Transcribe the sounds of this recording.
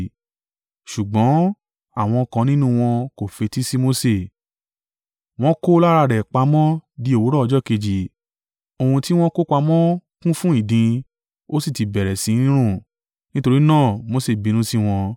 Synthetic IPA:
ʃu˨ɡ͡bɔ̃˨˦ | a˦˨w̃ɔ̃˧kã˧nĩ˦nũ˦w̃ɔ̃˧ko˨fe˨˧ti˦si˦mo˦se˨ | w̃ɔ̃˦ko˦la˦ɾa˧ɾɛ˨k͡pa˧mɔ̃˦di˦o˨wu˨˦ɾɔ˦ɔ˧d͡ʒɔ˦ke˧d͡ʒi˨ | o˧hũ˧ti˦w̃ɔ̃˦ko˦kʷa˧mɔ̃˦kũ˦fũ˦i˦˨dĩ˧ | o˦si˦˨ti˨bɛ˨ɾɛ˨sĩ˨˦nĩ˦ɾ̃ũ˦˨ | nĩ˦to˧ɾi˦nãː˦˨mo˨˧se˨bi˨˧nũ˨˦si˦w̃ɔ̃˧

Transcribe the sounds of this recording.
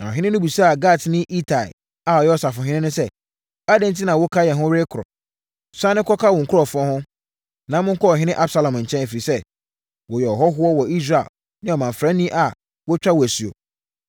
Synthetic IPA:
na˨ɔ̰˨ɦɪ̃˦nɪ̃˦nʊ̃˦bi˨sa˦a˨ɡa˦˨tnɪ̃˦ʔi˦tʰa̰˨ | a˨ɔ˨jɛ˦ɔ˨sa˨fʊ̃˨ɦɪ̃˦nɪ̃˦nʊ̃˦sɛ˦ | a˦dɛ̃˦˨n˦ti˦nã˨wɔ˦kʰa˦jɛ˨ɦʊ̃˦ɾe˦kʰʊ˨ɾɔ̰˨ | sã˦nɪ̃˦kʰɔ˦kʰa˦wɔ̃˨ŋ̩˨kʰʊ˦ɔ˦˨fʊ˦ɔ̃˦hʊ̃˦ | nã˦mʊ̃˦ŋ̩˦kɔ˦ɔ˨ɦɪ̃˦nɪ̃˦ʔa˦bsa˦lã˨m˨ɲ̩˨t͡ɕʰɛ̃˦n˨fi˨ɾi˨sɛ˦ | wɔ˨jɛ˨ɔ˨ɦɔ˦ɦʊ˦ɔ˦wɔ˨i˦s̬ɾa˨ḛ˨l | nɪ̃˦ɔ˨mã˨ɱ̩˨fɾã˦nĩ˦ʔa˨ | wɔ˦t͡ɕᶣa˦wæ˨sɥo̰˨

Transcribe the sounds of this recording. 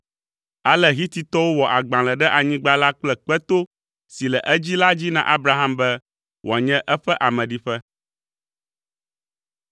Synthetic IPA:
a˨lɛ˦ɦi˦t̪i˨t̪ɔ˦wo˦wɔ˨ʔa˨ɡ͡bã˨lɛ˨ɖɛ˦ʔa˨ɲĩ˦ɡ͡ba˦la˦k͡plɛ˦k͡pɛ˦t̪o˦ | si˨lɛ˨ʔɛ˦d͡ʑi˦la˦d͡ʑi˦nã̰˨ʔa˦bɾa˦ɦã˦mbɛ˦ | wɔ˨a˨ɲɛ̃˦ʔɛ˦ɸɛ˦ʔa˨mɛ̃˨ɖi˦ɸɛ˦

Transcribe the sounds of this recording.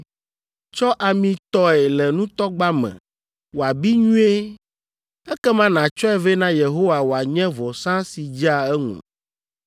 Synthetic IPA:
t͡ʃɔ˦ʔa˨mĩ˨t̪ɔ˦ɛ˨lɛ˨nũ˦t̪ɔ˦ɡ͡ba˦mɛ̰̃˨ | wo˨a˨bi˦ɲũ˦e˦ | ɛ˦kɛ˦mã˦nã˨t͡ʃɔ˦ɛ˦ve˦nã˦je˨ɦo˦wa˨wo˨a˨ɲɛ̃˦vɔ˨sã˦si˨d͡ʒi˦a˨ɛ˦ŋṵ̃˨

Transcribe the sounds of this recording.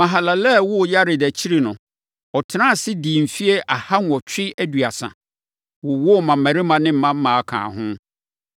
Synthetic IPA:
mã˨ɦa˨la˨lɛ˦˨wʊ˦˨ja˦ɾɪ˨dæ˨t͡ɕʰi˦ɾi˨nʊ̃˨ | ɔ˨tʰɪ˨˦nã˦˨sɪ˦di˨m̩˨fi˦e˦ʔa˨ha˦n˨ɔ˨t͡ɕᶣɪ˦æ˦dɥa˨sã̰˨ | wʊ˨wʊ˦˨mã˨mæ̃˨ɾɪ˦mã˨nɪ̃˦m̩˦mã˦m˦mãː˨a˨kʰã̰ː˨ɦʊ̃˦

